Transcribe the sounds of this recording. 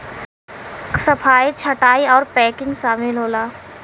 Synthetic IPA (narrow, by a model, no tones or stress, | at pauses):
sɐpʰaːit͡ʃʰɐʈaːiɔːɾpɛːkɪ̃ŋɡʃaːmɪlɦoːlaː